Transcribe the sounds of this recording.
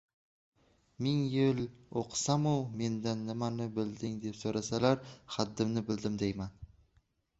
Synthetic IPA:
mɪŋjɪloqʰsamʊme̞nd̪anːɪmanɪbɪld̪ɪŋd̪e̞psoɾasalaɾχad̪ːɪmnɪbɪld̪ɪmd̪ajman

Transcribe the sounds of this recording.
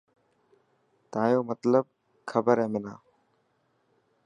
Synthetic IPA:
t̪ãːjoːmət̪ləb̚ | kʰəbəɾɦɛ̃ːmɪnaː

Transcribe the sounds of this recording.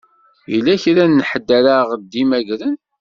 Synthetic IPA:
jə̰lːæçɾænːħəd̪ːæɾaʁd̪ːimæʝɾən

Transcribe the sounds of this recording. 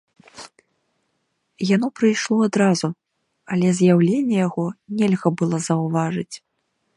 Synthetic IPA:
janɔpɾɨjʂlˠɔad̪ɾazu | ɐlʲɛzʲjawlʲenʲːɛjaɣɔnʲɛlʲɣɐbɨlˠɔzɐwvaʐɨt͡sʲ

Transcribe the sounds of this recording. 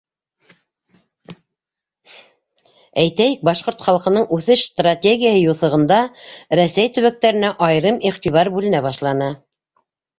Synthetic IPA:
æjt̪æjɘk̚bɑʃqoɾt̪χɑlˠqɤ̆nɤɴʉθɘʃst̪ratʲeɡʲijahɤjuθɤ̆ʁɤ̆nd̪ɑɾæsæjt̪ɵ̆βæk̚t̪æɾɘ̆næʔɑjɾɤmiχt̪iβɑɾbʉlɘ̆næbɑʃlˠɑnɤ

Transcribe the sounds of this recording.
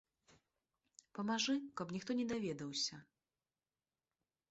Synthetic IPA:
pɐmaʐɨkɐpnʲixt̪ɔnʲɛd̪avʲɛd̪ɐwsʲɐ

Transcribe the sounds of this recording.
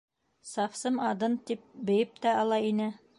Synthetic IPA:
sɑfsɤmɑd̪ɤnt̪ip̚bɘ̆jɘp̚t̪æɑlˠɑinɘ

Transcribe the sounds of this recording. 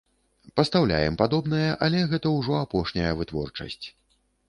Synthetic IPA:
pɐst̪awlʲa̰jɛ̰mpad̪ɔbnɐjɐʔɐlʲɛɣɛt̪ɐwʐɔapɔʂnʲɐjɐvɨt̪vɔ̰rt͡ʂɐ̰sʲt͡sʲ

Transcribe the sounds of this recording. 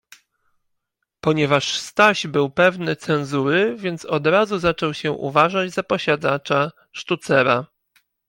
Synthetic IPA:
pɔɲɛvaʂst̪aʑbɘwpɛvnɘt̪sɛnzuɾɘvʲjɛnt̪sɔd̪ɾazuzat͡ʂɔwɕɛʔṵvaʐad͡ʑzapɔɕad̪at͡ʂa | ʂt̪ut̪sɛɾa

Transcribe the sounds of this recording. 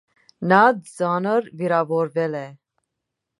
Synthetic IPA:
nad͡zɑnəɾviɾavɔɾvɛlɛ

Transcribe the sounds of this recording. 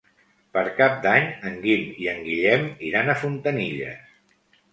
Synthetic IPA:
pəɾkap̚d̪aɲəŋɡimiəŋɡiʎɛmiɾanəfunt̪əniʎə̰s

